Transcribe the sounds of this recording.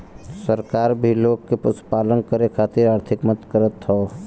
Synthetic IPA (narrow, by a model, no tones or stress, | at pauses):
səɾkaːɾbʱiloːkːepəspaːlənkəɾekʰaːt̪ɪɾaːɾt̪ʰɪkmət̪kəɾət̪ɦɔː